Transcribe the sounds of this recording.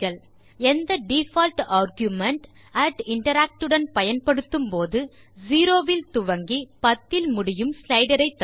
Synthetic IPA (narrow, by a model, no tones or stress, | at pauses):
ɐɭ | ɛnd̪ɐɖifaːlʈaːɾɡjumɐɳʈ | ɐʈɪɳʈɐɾaːk̚ʈɯɽɐnpɐjɐnpɐɽɯt̪ːɯmpoːðɯ | ziːɾoːʋɪlt̪ʊʋɐŋɡipɐt̪ːɪlmʊɽɪjɯmslɐɪɖɐɾɐɪt̪ːɐ